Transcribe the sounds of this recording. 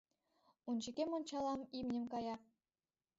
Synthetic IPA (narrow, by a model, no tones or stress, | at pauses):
und͡ʑikʲemŏnt͡ɕɑlˠɑmimnʲɘ̆mkɑjɑ